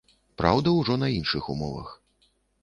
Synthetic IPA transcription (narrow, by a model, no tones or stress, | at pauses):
pɾawd̪ɐwʐɔnɐinʂɨxumɔvɐ̰x